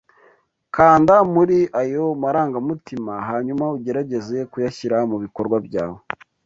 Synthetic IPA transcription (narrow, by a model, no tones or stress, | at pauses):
kaːndamuɾiʔajomaɾaːŋɡamutimaɦaɲumauɟe̞ɾaɟe̞ze̞kujaçiɾamuβikoɾɡwabja̰ːwo